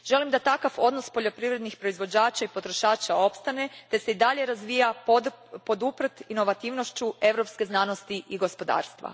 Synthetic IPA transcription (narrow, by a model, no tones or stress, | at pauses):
ʒ̥e̞limd̪at̪akafo̞d̪no̞spo̞ʎo̞pɾiʋɾe̞d̪nixpɾo̞izʋo̞d͡ʑaːt͡ʃaipo̞t̪ɾo̞ʃaːt͡ʃao̞pst̪ane̞t̪e̞seid̪aʎe̞ɾazʋiːja | po̞d̪upr̩t̪ino̞ʋat̪iːʋno̞ʃt͡ɕue̞ʋɾo̞pske̞znano̞st̪iʔiɡo̞spo̞d̪a̰ːɾst̪ʋa̰